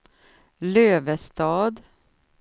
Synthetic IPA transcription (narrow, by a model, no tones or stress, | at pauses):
løːʋəst̪ɑːd̪